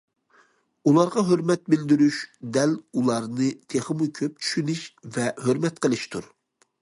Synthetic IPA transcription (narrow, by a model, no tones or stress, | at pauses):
ulˠɑɾʁɑɦøɾmɛt̪̚bɪld̪yɾyʃd̪ɛlulˠɑɾnɨt̪ʰeχəmukʲʰøp̚t͡ʃʰy̥ʃynɪʃvɛhøɾmɛt̪̚qʰəlˠɨʃt̪ʰuɾ